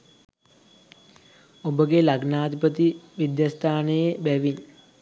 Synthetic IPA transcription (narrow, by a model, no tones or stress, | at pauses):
obəɡelaɡnaːt̪ipət̪iʋid̪jast̪ʰaːnəjebæʋin